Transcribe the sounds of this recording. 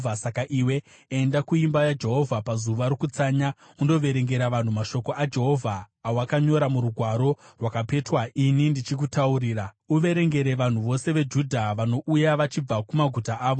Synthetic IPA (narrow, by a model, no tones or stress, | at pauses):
asakaʔiwe̞ | endakuimbajad͡ʒe̞ɦo̞vʱapazuʋaɾokut͡saːɲa | undo̞ʋe̞ɾe̞ŋɡe̞ɾaʋan̤umaʃo̞ko̞ʔad͡ʒe̞ɦo̞vʱaː | wakaɲo̞ɾamuɾuɡʱwaɾo̞rwakape̞twaʔinindit͡ʃik̬utauɾiːra | uʋe̞ɾe̞ŋɡe̞ɾe̞ʋan̤uʋo̞se̞ʋe̞d͡ʒudʱaʋano̞ʔujaʋat͡ʃib͡vakumaɡʱutaʔaːʋo